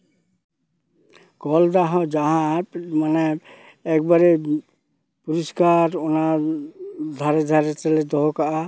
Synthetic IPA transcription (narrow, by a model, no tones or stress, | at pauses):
kɔld̪aɦɔd͡ʒaɦãmanɛː | k̚baɾɛ | puɹiskaɾɔna | d̪ʱaɾɛd̪ʱaɾɛt͡ʃɛlɛd̪ɔɦɔkaʔa